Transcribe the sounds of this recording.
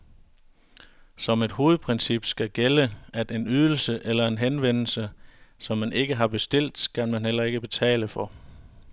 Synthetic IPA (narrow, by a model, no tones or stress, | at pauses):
sɒ̽me̝d̥ho̝ːð̩ˠpʰʁensib̥sɡ̥æɡ̥eləæd̥e̝nyð̞ˠl̩səʔelɐe̝nɦenʋen̰l̩səsɒ̽mːænʔe̝ɡ̥əɦɑ̈b̥e̝sd̥e̝l̰d̥kʰænmænɦel̰ɐe̝ɡ̥əb̥e̝t͡sʰɛ̰ːləfɒ̽